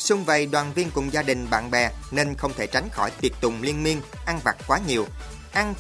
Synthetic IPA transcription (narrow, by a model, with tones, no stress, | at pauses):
sʊ˧ŋ͡mvə˨˩jɗwaː˨˩nvi˧ənkʊ˨˩ŋ͡mzaː˧ɗï˨˩ŋ̟ɓa̰ː˧˨nɓɛ˨˩ne˧nxə˧wŋ͡mt̪ʰe˧˩t͡ɕa˨˦jŋ̟xɔ˧˩jt̪i˨˩ət̚t̪ʊ˨˩ŋ͡mli˧ənmi˧ən | ʔa˧nva̰˨˩t̚kwaː˨˦ɲi˨˩əw | ʔa˧n